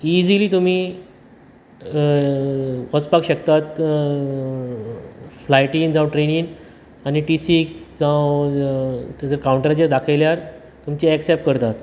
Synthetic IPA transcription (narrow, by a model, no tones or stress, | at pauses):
id͡ʑiliːt̪um̤iː | pət͡spakɕəkt̪at̪ | flajʈiŋd͡zãwʈɾeniŋ | aniʈisikd͡zãw | t̪ed͡zəɾkawuɳʈəɾad͡ʑaɾd̪akʰaljaɾ | t̪umt͡ɕiɛksɛp̚kəɾt̪at̪